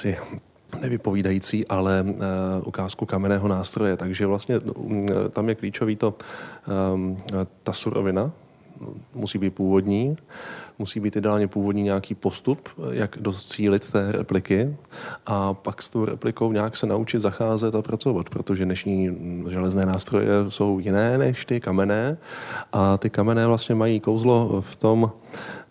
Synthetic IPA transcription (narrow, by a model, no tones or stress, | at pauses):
sɪ | nɛvɪpo̞viːdajit͡siːʔalɛʔṵkaːskukamɛnɛːɦo̞naːst̪ɾo̞jɛt̪aɡʒɛvlast̪ɲɛ | t̪amjɛkliːt͡ʃo̞viːt̪o̞ | t̪asuɾo̰vɪna | musiːbiːt̪̚puːvo̞dɲiː | musiːbiːt̪jɪdɛaːlɲɛpuːvo̞dɲiːɲɛjakiːpo̞st̪upjaɡdot͡siːlɪt̪ːɛːɾɛ̰plɪkɪʔapakst̪o̞wɾɛ̰plɪko̞wɲaːksɛnaʔut͡ʃɪt̪zaxaːzɛt̪apɾat͡so̞vat̪pɾo̞t̪o̞ʒɛdnɛʃɲiːʒɛlɛznɛːnaːst̪ɾo̞̰jɛ̰so̞wjɪnɛːnɛʃt̪ɪkamɛnɛːʔat̪ɪkamɛnɛːvlast̪ɲɛmajiːko̞wzlo̞ft̪o̞m